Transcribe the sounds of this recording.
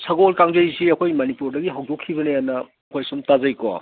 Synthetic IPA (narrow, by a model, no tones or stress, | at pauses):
sɐɡolkaŋzɐjsiɐkʰojmɐnipuɾdɐɡiɦawdokʰːibɐneanɐ | ɐkʰojsumtazɐjko̰